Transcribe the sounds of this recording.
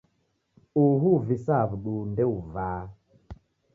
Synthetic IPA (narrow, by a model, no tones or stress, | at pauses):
uɦuvisaβɗundeuvaː